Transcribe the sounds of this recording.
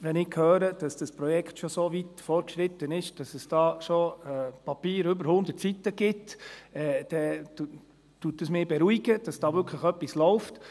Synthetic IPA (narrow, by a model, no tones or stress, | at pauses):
ʋɛnɪkʰhøːɾəd̥ɑsd̥ɑspɾɔjɛkχtʃɔsoʋitfɔɾkʃɾɪt̪ənɪʃd̥ɑsɛsd̥ɑːʃoɛːpɑpiːɾʏbəɾhʊnd̪ətt͡sitəɡ̥ɪtɛd̥ɛ | tuːtːəsmɪːbɛɾuiɡ̥əd̥ɑsd̥ɑːʋʏɾkʰləχœpːislɔʊft